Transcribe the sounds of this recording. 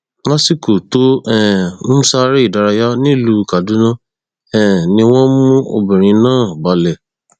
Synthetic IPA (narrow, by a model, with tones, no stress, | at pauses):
mã˦si˦˨ko˨to˦ɛ̃˦˨ñ̩˦sa˦ɾi˦i˦˨da˧ɾa˧ja˦nĩ˦˨lu˧˦˧ka˨dũ˨˦nã˦ | ɛ̃˦˨nĩ˧w̃ɔ̃˦mũ˦o̰˧bĩ˨ɾ̃ĩ˧nãː˦˨ba˨˦lɛ˨